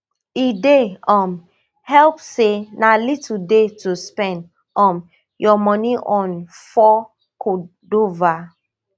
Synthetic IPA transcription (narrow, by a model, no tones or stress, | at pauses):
ideɔ̃m | hɛlpsenalitʰldetuspɛ̃nd | ɔ̃m | jɔmɔniʔɔ̃nfɔ | kʰo | dova